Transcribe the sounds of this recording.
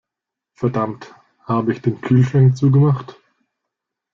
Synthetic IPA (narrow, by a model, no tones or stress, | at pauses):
fɛɐdamt | haːbəɪçd̥eːnkʰyːlʃʁɛŋt͡suːɡəmaχt